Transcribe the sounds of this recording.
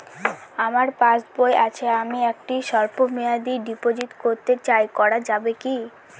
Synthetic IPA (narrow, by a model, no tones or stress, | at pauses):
amaɾpãt͡ɕboeʔat͡ɕʰeamiɛk̚ʈiʃɔɾpomead̪iɖipod͡ʑit̪koɾt̪et͡ɕajkɔɽad͡ʑabeki